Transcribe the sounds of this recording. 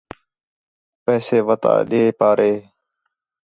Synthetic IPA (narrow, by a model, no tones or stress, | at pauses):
pɛːseːʋət̪a̰ːɗeːpaːɾʔeː